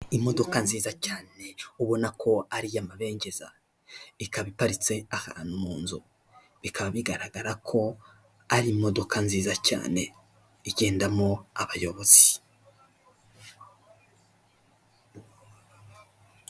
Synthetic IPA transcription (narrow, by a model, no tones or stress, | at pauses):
imo̞do̞kanziːzacaːne̞uβo̞nakʰo̞aɾijamaβe̞ːɲɟe̞za̰ | ikaβipaɾit͡se̞aha̰ːn̥umuːnzu | βikʰaβaβiɡaɾaɡaɾakʰo̞ | aɾiːmo̞do̞kʰanziːzaca̰ːne̞ | iɟe̞ːndamo̞aβajo̞βoz̥i̥